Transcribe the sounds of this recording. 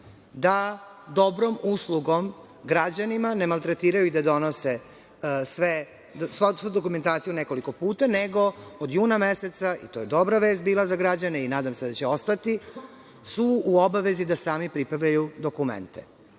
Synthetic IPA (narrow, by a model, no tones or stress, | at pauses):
d̪ad̪o̞bɾomuslˠuɡo̞m | ɡɾad͡ʑanimane̞malˠt̪ɾet̪iːɾajuid̪ad̪o̞nose | sʋe | ssʋud̪o̞kume̞nt̪aːt̪sijune̞ko̞liko̞puːt̪aneɡo̞od̪juːnameset̪saḭt̪o̞jed̪o̞bɾaʋe̞ːst̪̚biːlˠazaɡɾad͡ʑane̞inaːd̪amse̞d̪at͡ɕeo̞st̪at̪i | suuobaʋe̞zid̪asaːmipɾipɾad̪ajud̪o̞kumḛnt̪ḛ